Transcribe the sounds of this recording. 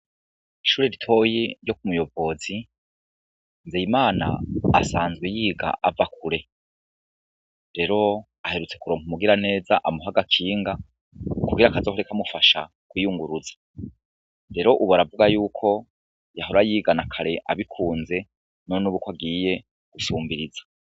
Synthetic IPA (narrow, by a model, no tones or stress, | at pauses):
iʃuːɾeɾitʰo̞jiɾjo̞k̚umujo̞vo̞zi | nzejimaːna̰ːsaːnzɡwejiːɡa̰ʔavakʰuɾe̞ | ɾe̞ɾo̞ | ahe̞ɾut͡se̞kuɾo̞ːŋhumuɡiɾane̞ːzaʔamuɦaɡakʰiːŋɡa | kuɡiɾakazohoɾekamufaʃa̰ | kujuŋɡuɾuzḁ | ɾe̞ɾo̞ʔuβaɾavuɡajuːkʰo̞ | jaɦoɾajiːɡanakʰaɾe̞ʔaβikʰuːnze̞ | nonuβukwaɡiːje̞ | ɡ̥usuːmbiɾizḁ